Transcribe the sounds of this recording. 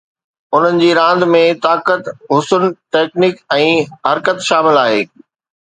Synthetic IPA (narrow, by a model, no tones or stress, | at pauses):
ʊn̤ənɪ̆d͡ʑiːɾãːn̆d̪mẽt̪aːkət̪ɦʊsʊnʈeːknɪkɛ̃ːɦɐɾkət̪ʃaːmɪlaːɦḛː